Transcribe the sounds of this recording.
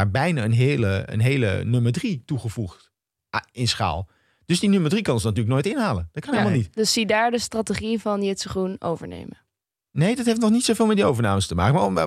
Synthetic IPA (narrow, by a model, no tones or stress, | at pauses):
aːɹbɛjnaːənɦeːləə̰nɦejlə̰nøməɹdrituχəv̥uχt | ɪnsχa̰ːlˠ | d̥ɵsdinøməɹdrikɑnsənatyːlək̚noːjtɪnɦaːlənd̥ɑt̚kɑnɦelmalˠnitdəssidaːɹdəstrateχivɑnjɪtsəχruno̰wvəɹnḛjmə | nejdɑtɦejftnɔχnitsowveːlˠmɛtdiowvəɹnaːməstəma̰ːkəmaːɔɛ